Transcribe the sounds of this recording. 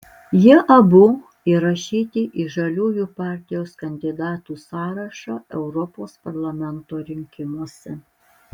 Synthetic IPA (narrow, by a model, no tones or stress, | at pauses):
jɪʔɐbʊ | iɾɐʃʲiːt̪ʲɪʔiʒɐlʲuːjuːpɑːˑɾʲt̪ʲɪjoːskɐnʲd̪ʲɪd̪ɑːt̪uːsɑːɾɐʃɑːɛʊɾɔpoːspɐɾlˠɐmʲɛnt̪oːɾʲɪŋʲkʲɪmuɔsʲɛ